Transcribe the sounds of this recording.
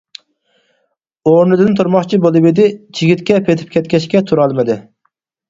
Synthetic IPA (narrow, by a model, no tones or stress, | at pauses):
oɾnɨd̪ɪnt̪ʰuɾmɑχt͡ʃʰibolˠɨbid̪ɪd͡ʒʰiɡʲit̪kʲɛpʰet̪ʰɪ̥p̚kʲʰɛt̪̚kʲɛʃkʲɛt̪ʰuɾɑlˠmɨd̪ɪ